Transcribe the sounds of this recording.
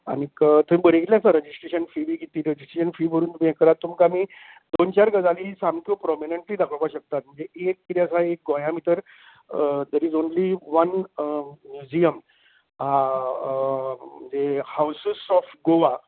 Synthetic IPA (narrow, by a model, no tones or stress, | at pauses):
a̰ñikət̪əmĩbəɽ̤ikeljãsaɾəd͡ʑisʈɾeɕənfiʋiːɡit̪iːɾəd͡ʑisʈɾeɕənfiːbʱəɾuːnt̪umẽkəɾat̪ːumkamiː | d̪ont͡ɕaɾɡəd͡zaliːsamkopɾɔmineɳʈliːd̪akʰəɭpaɕək̚t̪at̪̚m̤əɳd͡zeek̚t̪it̪iəsaek̚ɡɔ̃jãmit̪əɾ | d̪ɛɾizonliʋən | mjud͡ʑiəm | a | m̤əɳd͡ʑehawsəsɔfɡoʋa